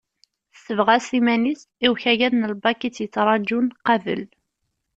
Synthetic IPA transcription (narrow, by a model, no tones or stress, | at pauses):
θsəvʁæsimænis | iwçæʝæðnəlbɑkit͡sːjət͡sːɾˤɑd͡ʒunqɑvə̰l